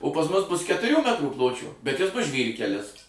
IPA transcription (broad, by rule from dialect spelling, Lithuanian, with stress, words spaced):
oː pɐs ˈmʊs ˈbʊs kʲɛtʊˈrʲuː ˈmʲæːtruː ˈplˠoːt͡ʃʲoː bʲɛt ˈjɪs ˈbʊs ˈʒʲʋʲiːrʲkʲɛlʲɪs